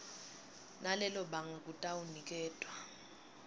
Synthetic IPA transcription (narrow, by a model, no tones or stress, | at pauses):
nalɛlɔɓaŋak̬ʼutʼawunik̬ʼɛːtʼwa